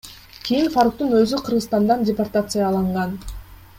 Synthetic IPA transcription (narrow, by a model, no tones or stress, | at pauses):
kʲʰijinfaɾuk̚t̪unøzyqʰɯɾʁɯzst̪ɑnd̪ɑndʲeport̪at̪sɨjɑlˠɑɴʁɑn